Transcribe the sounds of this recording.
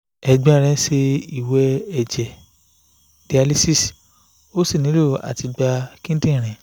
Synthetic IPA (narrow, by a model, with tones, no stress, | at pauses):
ɛ˧ɡ͡bɛ̃˧˦˨ɾ̃ɛ̃˧˦se˧i˨wɛ˧ɛ˨d͡ʒɛ˨ | d̥i˨a˧li˦si˦˨s | o˦si˦˨nĩ˨˦lo˦˨a̰˨ti˧ɡ͡ba˧kĩ˦n˦tĩ˦˨ɾ̃ɛ̃˨